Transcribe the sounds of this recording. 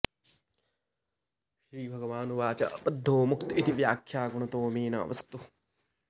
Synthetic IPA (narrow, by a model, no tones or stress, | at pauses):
ʃɾiːbʱɐɡɐʋaːnuʋaːt͡ʃɐɐpɐd̪ʱːoːmukt̪it̪iʋjaːkʰjaːɡuɳɐt̪oːmiːna̰ːʋɐst̪u